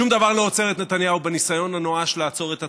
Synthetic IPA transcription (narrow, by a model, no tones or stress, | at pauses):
umd̪avaʁloot͡se̞ʁet̪net̪anjaubenisajo̞nanoaʃlaːt͡so̞ʁet̪a